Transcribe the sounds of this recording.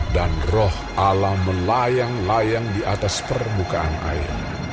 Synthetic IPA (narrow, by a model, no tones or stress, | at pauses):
danrɔh | ʔalahməlajaŋlajaŋdiʔat̪aspərmbukaʔana̰ɪ̰r